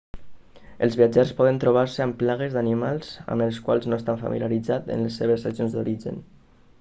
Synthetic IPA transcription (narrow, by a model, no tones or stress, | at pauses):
əlˠzβiad͡ʒaspɔðənt̪ɾuβ̞aɾsəamplaɣəzðanimalˠzə̰məlˠskwalˠznoest̪aɱfa̰mḭljaɾid͡zat̪ə̰nləsːeβ̞əsːəzjonzd̪uɾiʒə̰n